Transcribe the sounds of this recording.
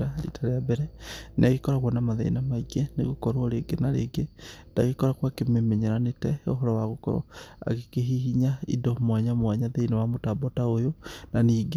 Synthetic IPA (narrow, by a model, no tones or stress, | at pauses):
ɾalḭtaɾeabɛɾɛnaɣekɔɾaɣwanamaðḛnamaiɡɛnḛɣokɔɾɾeɡenaɾḛɡendaɣekɔɾakwakememeɲeɾanetɛoɦɔɾɔwaɣokɔ̰ɾɔ̰a̰ɣekeɦiɦiɲaḭdɔmwaɲamwaɲaðeinewamotabɔtaojonaniːɡe